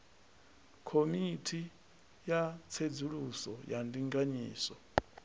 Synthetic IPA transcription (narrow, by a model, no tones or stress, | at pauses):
kʰomitʰi | jat͡sʰed͡zuɺusɔjandiŋɡaɲiːsɔ